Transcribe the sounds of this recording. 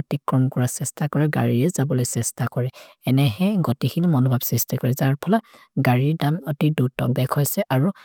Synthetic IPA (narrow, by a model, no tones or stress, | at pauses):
ɔtikɹɔmkɔɹasɛstakɔɹɛɡa̰ɹiɹɛzabɔlojsɛstakɔɹɛ | ɛnɛɦɛɡɔtixʰinimɔnɔbʱabsɛstikɔɹɛzaɹpʰɔla | ɡaɹiɹdamɔtidutɔbɛkʰɔjsɛʔaɹu